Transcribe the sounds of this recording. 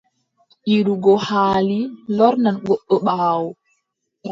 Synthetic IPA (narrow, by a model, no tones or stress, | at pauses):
ʔiɾuɡɔhaːlilɔɾnanɡɔɓːɔɓaːwɔ